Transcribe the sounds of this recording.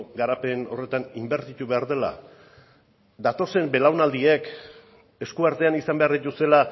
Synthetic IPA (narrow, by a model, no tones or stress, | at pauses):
ɡaɾape̞no̞̰re̞t̪animbe̞ɾt̪it̪uβe̞aɾðe̞la̰ | d̪at̪o̞se̞mbe̞lawnald̪iek | e̞skuaɾt̪e̞anisambe̞aɾðit̪use̞la